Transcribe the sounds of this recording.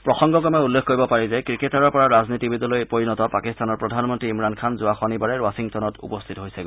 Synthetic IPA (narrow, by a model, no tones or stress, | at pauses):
pɹɔxɔŋɡɔkɔmɛulːekʰkoɹibɔpaɹizɛkɹiketaɹɔɹpɔɹaɹaznitibidɔlojpoɹinɔtɔpakistanɔɹpɹɔdʱanmɔntɹiːmɹankʰanzʊaxɔnibaɹɛɹwasiŋtɔnɔtṵpɔstʰitɔɦojsɛ